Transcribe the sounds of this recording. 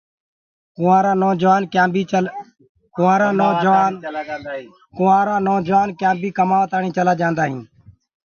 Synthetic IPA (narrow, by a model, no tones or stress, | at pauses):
kʊaːɾãːnoːd͡ʒʋaːnkaːbiː | kʊːãːɾãːnoːd͡ʒʋaːn | kʊːãːɾãːnoːd͡ʒʋaːnkjãːbiːkəmaːʋət̪aːɳĩːt͡ʃəlaːd͡ʒãːnd̪aːɦɪ̃ː